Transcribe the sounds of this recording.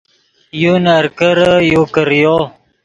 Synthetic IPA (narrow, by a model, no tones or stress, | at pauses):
junaɾkəɾəjukəɾjo